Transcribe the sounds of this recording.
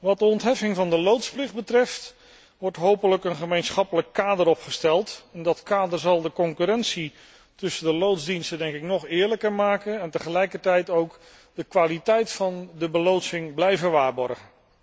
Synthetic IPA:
ʋɑt̚dəɔntɦɛfɪŋvɑndəlowtsplɪχ̚bətrɛft | ʋɔɹtɦowpələkənχəmejnsχɑpələkːaːdəɾɔpχəstɛlˠtɛndɑtkaːdəɹzɑlˠdəkɔŋkyɾɛnsi | tɵsədəlowtzdinstədɛŋkɪknɔχɪːɹləkəɹmaːkənɛntəχəlɛjkəɹtɛjtowk | dəkʋaːlitɛjtfɑndəbəlowtsɪŋblɛjvəʋaːɹbɔ̰ɹχən

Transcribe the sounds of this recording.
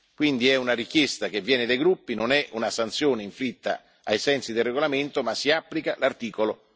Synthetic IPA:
kwind̪iɛunaɾikjɛst̪ak̟evːjɛːnɪd̪ajɡɾupːinonɛʔunasant̪sjoːneiɱfɾit̪ːa̰ | ajsɛnsid̪elreɡolament̪omasːiapːlikalart̪iːkolo

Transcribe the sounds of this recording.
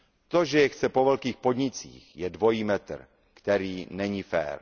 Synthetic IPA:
t̪o̞ʒɛjɛxt͡sɛpo̞vɛlkiːxpo̞dɲɪt͡sḭːxjɛdvo̞jiːmɛt̪r̩ | kt̪ɛɾiːnɛɲifɛ̰ːɾ

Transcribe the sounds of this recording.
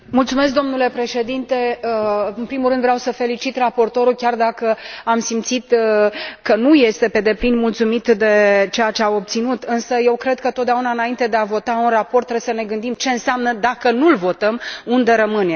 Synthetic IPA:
mult̪sume̞s̬k̚d̪o̞mnule̞pɾe̞ʃe̞d̪int̪e̞ | ɨnpɾimulrɨnd̪veawsəfe̞lit͡ʃit̪rapo̞rt̪o̞ɾulkʲard̪akəamsimt̪sit̪ | kənuje̞st̪e̞pe̞d̪e̞plinmult̪sumit̪d̪e̞t͡ʃejat͡ʃe̞ao̞p̚t̪sinut̪ɨnsəje̞wkɾe̞d̪̚kət̪ot̪d̪aunaɨnaint̪e̞d̪e̞avo̞t̪aunrapo̞rt̪ːɾebesəne̞ɡɨnd̪imt͡ʃe̞ɨnseamnəd̪akənulvo̞t̪əmund̪e̞ɾəmɨne

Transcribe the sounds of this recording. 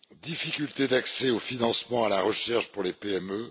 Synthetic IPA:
d̪ifikʲylt̪ed̪aksɛofinɑ̃smɑ̃alaʁəʃɛʁʃpuʁlepeɛmø

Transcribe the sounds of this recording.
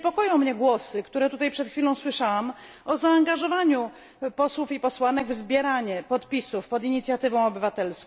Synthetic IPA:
pɔkɔjɔ̃w̃mɲɛɡwɔsɘkt̪uɾɛt̪ut̪ajpʂɛt̪xfʲilɔ̃w̃swɘʂawam | ɔzaːŋɡaʐɔvaɲu | pɔswufipɔswanɛɡvzbʲjɛɾaɲɛpɔt̪pʲisufpɔd̪iɲit̪sʲjat̪ɘvɔ̃w̃ɔbɘvat̪ɛlskɔ

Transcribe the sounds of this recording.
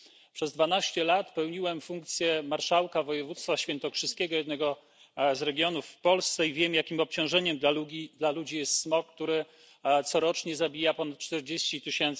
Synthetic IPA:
pʂɛzd̪vanaɕt͡ɕɛlat̪pɛwɲiwɛmfuŋkt̪sʲjɛmaɾʂawkavɔjɛvut̪st̪faɕfʲjɛnt̪ɔkʂɘskʲɛɡɔjɛd̪̚nɛɡɔ | zɾɛɡʲjɔnufpɔlst̪sɛivʲjɛmjakʲimɔp̚t͡ɕɔ̃w̃ʐɛɲɛmluid̪lalud͡ʑijɛst̪smɔkkːt̪uɾɘ | t̪sɔɾɔt͡ʂɲɛzabʲijapɔnat̪̚t͡ʂt̪ɛɾd͡ʑeɕt͡ɕit̪ɘɕɛnt̪s

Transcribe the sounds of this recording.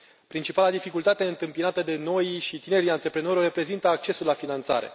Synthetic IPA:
pɾint͡ʃipalad̪ifikult̪at̪e̞ɨnt̪ɨmpinat̪əd̪e̞no̞jʃit̪ine̞ɾiant̪ɾe̞pɾe̞no̞ɾʲore̞pɾe̞zint̪əak̚t͡ʃe̞sulːafinant̪sa̰ɾe̞̰

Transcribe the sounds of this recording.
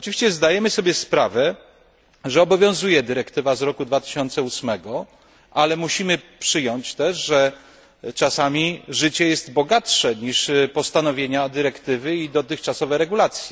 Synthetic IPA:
ɔt͡ʂɨvʲiɕt͡ɕɛzd̪ajɛmɘsɔbʲjɛspɾavɛ | ʐɛɔbɔvʲjɔ̃w̃zujɛd̪ɘɾɛkt̪ɘvazɾɔkud̪vat̪ɘ̥ɕɔnt̪sɛusmɛɡɔ | ʔalɛmuɕimɘpʂɘjɔɲt͡ɕt̪ɛʂʐɛ | t͡ʂasamʲiʐɘt͡ɕɛjɛst̪bɔɡatʂɛɲiʂpɔst̪anɔvʲjeɲad̪ɘɾɛkt̪ɘvɘid̪ɔt̪ɘxt͡ʂasɔvɛɾɛɡulat̪sʲji

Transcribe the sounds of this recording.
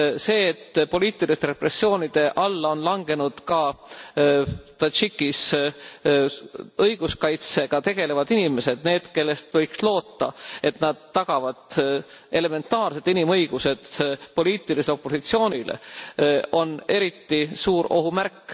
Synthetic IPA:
se̞ːt̪ːpo̞liːt̪ːˑilist̪eɾe̞pre̞sːjo̞ːnid̪̥e̞ʔɑlːɑo̞nlɑŋɡ̥e̞nud̪̥kɑ | t̪ɑt͡ʃikːis | ɤjɡ̥uskɑjt̪se̞ɡ̥ɑt̪e̞ɡ̥e̞le̞vɑd̪inime̞se̞d̪̥ne̞ːd̪̥ke̞lːe̞st̪vɤ̞jkslo̞ːt̪ːɑ̰e̞t̪nɑd̪̥ːɑɡ̥ɑvɑd̪̥e̞le̞me̞nt̪ːˑɑːrse̞t̪inimɤjɡ̥use̞d̪̥po̞liːt̪ːˑiliselo̞pːˑo̞sit̪sio̞ːnʲilḛʔo̞ne̞ɾit̪ːisuːɾo̞ɦumærkːˑ

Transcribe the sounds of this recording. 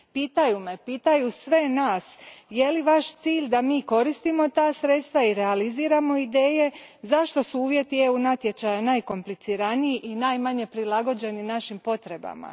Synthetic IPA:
piːt̪ajume̞piːt̪ajusʋe̞naːsje̞liʋaʃt̪siːʎd̪amiːko̞ɾist̪imo̞t̪aːsɾe̞t̪st̪ʋaiɾealiziːɾamo̞id̪e̞ːje̞zaʃt̪o̞suuːʋje̞t̪ieunat̪je̞t͡ʃajanaːjko̞mplit̪siɾaniiʔinaːjmaɲe̞pɾilˠaɡo̞d͡ʑe̞ninaʃimpo̞t̪ɾe̞ba̰ma̰

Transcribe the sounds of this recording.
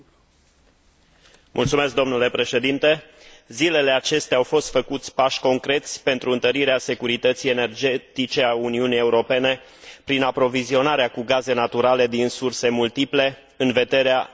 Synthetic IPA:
mʔult̪sumeskd̪o̞mnule̞pɾe̞ʃe̞d̪int̪e̞ | zile̞le̞at͡ʃe̞st̪eawfo̞st̪fəkut̪sʲpaʃʲko̞ŋkɾe̞t̪sʲpe̞nt̪ɾuɨnt̪əɾiɾease̞kuɾit̪ət̪sije̞ne̞rd͡ʒe̞t̪it͡ʃe̞auniunije̞uɾo̞pe̞ne̞ | pɾinapɾo̞vizio̞naɾeakuɡaze̞nat̪uɾale̞d̪insurse̞mult̪iple̞ | ɨnve̞d̪e̞ɾea

